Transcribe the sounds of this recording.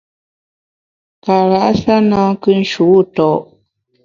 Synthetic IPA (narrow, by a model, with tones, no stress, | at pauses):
ka˨ɾa˦ʔsa˦nã˦kɨ˦n̩˦ʃu˨˦˨tɔ˨ʔ